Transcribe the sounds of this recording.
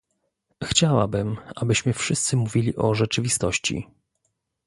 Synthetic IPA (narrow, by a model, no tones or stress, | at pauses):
xt͡ɕawabɘmabɘɕmɘfʂɘst̪sɘmuvʲilʲiʔɔʐɛt͡ʂɘvʲist̪ɔɕt͡ɕḭ